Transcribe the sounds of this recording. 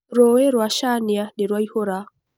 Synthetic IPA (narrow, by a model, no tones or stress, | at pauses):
ɾɔwɛɾwaʃanijaneɾwaihoɾa